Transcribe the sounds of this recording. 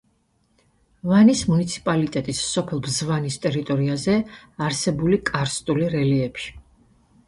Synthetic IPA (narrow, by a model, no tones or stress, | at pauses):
vanismunit̪sʰi̥pʼalit̪ʼɛt̪ʼissɔpʰɛlˠbzvanist̪ʼɛɾit̪ʼɔɾiazɛaɾsɛbulikʼaɾst̪ʼuliɾɛliɛpʃi̥